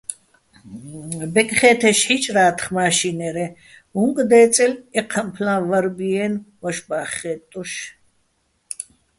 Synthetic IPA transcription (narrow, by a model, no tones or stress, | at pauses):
bɛkʼχɛːt̪ʰɛʃħit͡ʃʼɾaːt̪ʰχmaːʃinɛɾɛ | uŋkʼd̪ɛːt͡sʼɛlɛqʰəmpʰlãvaɾbiɛnvɔʃbaːχɛt̪ʼuʃ